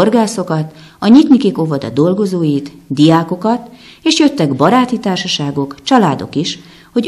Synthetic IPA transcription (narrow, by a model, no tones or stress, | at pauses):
orɡaːso̞kɒt̪ | ɒɲit̪nikiko̞vɒd̪ɒ̰d̪o̞lɡo̞zoːjit̪d̪ijaːko̞kɒt̪ | eːʃjø̞t̪ːɛɡbɒɾaːt̪it̪aːrʃɒʃaːɡo̞kt͡ʃɒlaːd̪o̞̰kiʃ | ho̞ɟ